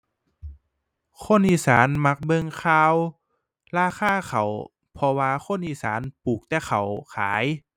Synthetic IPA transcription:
kʰo˧˥˨nʔiː˧˨saː˩˦nma˧˥k̚bɤ˧ŋkʰaː˧w | laː˧˩xʰaː˧˥˩kʰa˨˩w | pʰɔ˧waː˧xʰo˧˥˨nʔiː˧˩sa̰ː˩˦npuː˨˩k̚t̪ɛː˧˩xʰa˨˩wkʰaː˩˦j

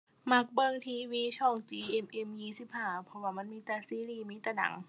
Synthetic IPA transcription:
ma˧˥˩k̚bɤ˧˩˨ŋt̪ʰiː˧wiː˧˥˨t͡ɕʰɔː˧˥˩ŋt͡ɕiː˧ʔe˧˩mʔe˧˩mjiː˧˩si˧˥˩p̚haː˧˩pʰɔ˧waː˧˩ma˧˥˨nmiː˧˥˨t̪ɛ˧˩siː˧˥ɾiː˧˩miː˧˥˨t̪ɛː˧˩na̰˨˩˦ŋ

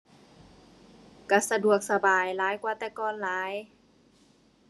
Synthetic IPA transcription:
ka˧˩sa˧du˨˩ək̚sa˧baː˨˩jlaː˨˦jkwaː˧t̪ɛː˧kɔː˧˩˨nlaː˨˦j

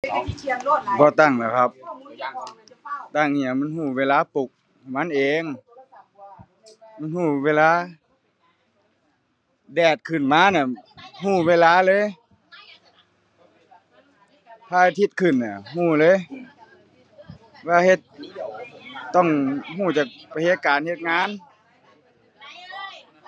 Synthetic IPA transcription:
bɔː˧˦t̪a˧˩ŋlaː˧˩kʰa˧˦p̚ | t̪a˧˩ŋni˧˩˨a˨ma˧˥˨nhuː˧˩weː˧˥˨laː˧˥˨pu˧˩k̚ | ma˧˥nʔeː˨ŋ | ma˧˥˨nhuː˧˩weː˧˥˨laː˧˥˨ | dɛː˨˩t̪̚kʰɯ˨˩nmaː˧˥˨na˧˩ɦuː˧˩weː˧˥˨laː˧˥˨lɤː˧˥˨j | p̪ʰaː˧˨a˧t̪ʰi˧˥t̪̚kʰɯ˧˩nːa˧˩huː˧˩lɤː˧˥˨j | waː˧˩he˧t̪̚ | t̪ːɔ˧˩ŋhuː˧˩t͡ɕaː˨˩k̚pa˧˩he˧˦t̪̚kaː˨nhe˧t̪̚ŋaː˧˥˨n

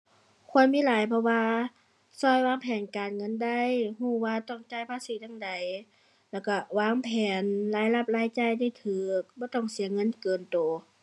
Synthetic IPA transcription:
kʰu˧˥˧ənmiː˧˥˨laː˨˦jpʰɔ˧waː˧ | sɔː˧˩jwaː˧˥˨ŋpʰɛː˨˩nkaː˨nŋɤ˧˥˨nda˧˩jhuː˧˩waː˧t̪ɔ˧˩ŋt͡ɕaː˧˩˨jpʰaː˧˥˨siː˨˦t̪a˧˨ŋda˨˩j | lɛː˧˩wka˧˩waː˧˥˨ŋpʰɛː˨˩nlaː˧˩jla˧˩p̚laː˧˩jt͡ɕa˧˨jda˧˩˨jt̪ʰɯː˨˧˩k̚bɔː˧˦t̪ɔ˧˩˨ŋsi˨˦ɐŋɤ˧˥˨nkɤː˨˩nt̪oː˨˩

